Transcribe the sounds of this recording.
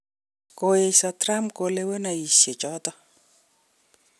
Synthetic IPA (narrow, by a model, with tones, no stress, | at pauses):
ko˨je˨sɔ˨tɾa˦mko˨le˦we˦na˨i˨sje˨t͡ʃɔ˦t̪ɔ˦